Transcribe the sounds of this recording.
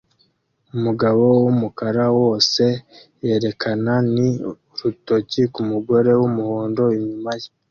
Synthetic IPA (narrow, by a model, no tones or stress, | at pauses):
umuɡaβo̞wumukaɾawo̞ːse̞je̞ɾe̞kʰanani | ɾutocikumuɡo̞ɾe̞wumuhoːndo̞iɲumaje